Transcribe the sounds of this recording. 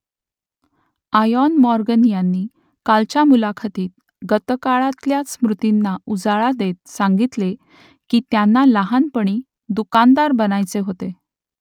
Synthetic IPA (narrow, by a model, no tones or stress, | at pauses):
ajɔnmɔɾɡənjanːiː | kalt͡ɕjamulakʰat̪iːt̪̚ | ɡət̪əkaɭat̪ljat͡smɾut̪inːaud͡zaɭad̪et̪̚sãŋɡit̪le | kiːt̪janːaləɦanpəɽ̃i | d̪ukand̪aɾbənajt͡seɦot̪e